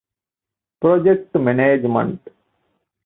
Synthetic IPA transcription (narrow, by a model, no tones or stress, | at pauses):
pɾod͡ʒek̚ʈmeneːd͡ʒmə̰ɳʈ